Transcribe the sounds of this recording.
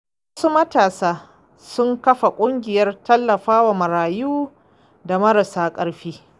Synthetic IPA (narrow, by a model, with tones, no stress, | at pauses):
wɐ˦su˦mɐ˦taː˨saː˦ | sʊ˦ŋkɐ˦ɸa˨kʷʼʊ˦ŋɡʲɪ˨jɐ˦rtɐ˦lːɐ˨ɸaː˦wa˨mɐ˨ɾaː˨juː˦ | da˨mɐ˦ɾɐ˨saː˦kʼɐ˦ɽɸiː˦